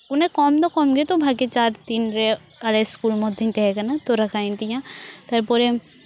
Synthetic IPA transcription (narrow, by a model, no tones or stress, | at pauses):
ʊnẽkɔːmd̪ɔkɔːmɡet̪obʱaɡet͡ʃaːɾt̪iːnɾe | ɐleskuːlmɔd̪ʱint̪eɦɛkɐnat̪oɾɐkʰaːĩnd̪ijãt̪ɐɾpɔɾe